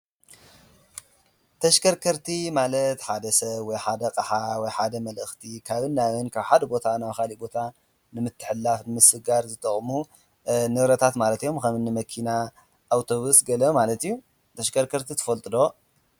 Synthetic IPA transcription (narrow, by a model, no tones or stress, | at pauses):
t̪ʰɐʃkʰɐɾkʰɐɾt̪ʰimalɐt̪ħad̪ɐsɐβwɔjħad̪ɐkʼɐħawɔjħad̪ɐmɐlɨxt̪ʰikʰaβɨnːawɨnkʰaβħad̪ɐbo̞t̪ʰanawxalibo̞t̪ʰa | nɨmɨt̪ʰːɨħɨlːafnɨmɨsɨɡaɾzɨt̪ʼɐχʼmu | nɨβɾɐt̪ʰat̪malɐt̪ijo̞mkɐmɨnːɨmɐkʰina | ʔːwt̪ʰo̞βusɡɐlɐmalɐt̪ijːu | t̪ʰɐʃkʰɐɾkʰɐɾt̪ʰit̪ʰɨ̥fɐlt̪ʼɨd̪o̞